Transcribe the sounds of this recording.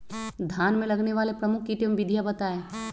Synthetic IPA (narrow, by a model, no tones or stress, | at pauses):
d̪ʱjaːnmẽlɐɡneʋaːlepɾɐmʊkʰːiʈimʋɪd̪ʱijabɐt̪aːe